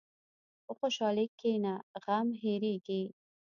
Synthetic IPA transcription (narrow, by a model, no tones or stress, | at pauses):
oxoʃɑlekenaɣamɦeɾeɡi